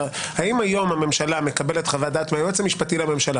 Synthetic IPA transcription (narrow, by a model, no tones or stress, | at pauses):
haimajo̞mame̞mʃalame̞kabeletχavad̪at̪meajot͡semiʃpatilame̞mʃala